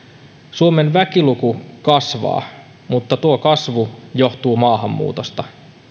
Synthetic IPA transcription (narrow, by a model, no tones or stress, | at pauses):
suome̞nʋækilukukɑsʋɑ̰ː | mut̪ːɑt̪uokɑsʋujo̞ht̪uːmɑːɦɑmːṵːt̪o̞st̪ɑ